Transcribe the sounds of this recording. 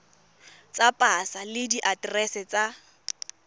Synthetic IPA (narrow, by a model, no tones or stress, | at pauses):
t͡sʼapʼasalɪdiʔadrɛsɛt͡sʼa